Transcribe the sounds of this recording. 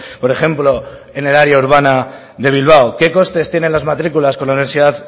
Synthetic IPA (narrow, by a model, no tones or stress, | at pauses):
po̞ɾe̞xe̞mplo̞ | e̞ne̞laɾjauɾβ̞ana | ðe̞β̞ilβ̞awke̞ko̞st̪e̞st̪jene̞nlazmat̪ɾikulasko̞nlauniβe̞ɾsiðað